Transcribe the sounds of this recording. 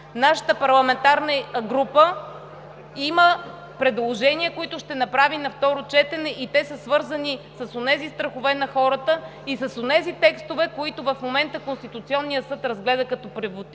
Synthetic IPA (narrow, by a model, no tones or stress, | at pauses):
naʃə̥t̪əpɐɾlˠɐmɛnt̪aɾnəɡɾupə | imə | pɾɛd̪lˠoʒɛniəkoit̪ʊʃt̪ɛnɐpɾavinɐft̪ɔɾot͡ʃɛt̪ɛnɛʔit̪ɛsəsvɤɾzənisɐsonɛzist̪ɾəxʊvɛnɐxɔɾət̪əisɐsonɛzit̪ɛkst̪ovɛkoit̪ʊvɐfmomɛnt̪əkonst̪it̪ut̪siɔnːijəsɤt̪ɾɐzɡlɛd̪əkɐt̪ɔpɾɛvot̪